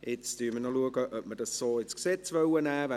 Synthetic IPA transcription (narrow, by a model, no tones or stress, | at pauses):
ɪt͡sd̥yːmənɔluəɡəʔœp̚mədɑsːoɪt͡skseːtsvœwənɛːv